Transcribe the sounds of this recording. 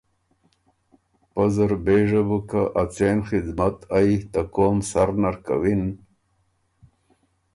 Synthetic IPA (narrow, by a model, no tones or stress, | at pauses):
pazɐɾbeːʐɐbukaʔat͡seːnxid̪mat̪ajit̪akoːmsaɾnaɾka̰win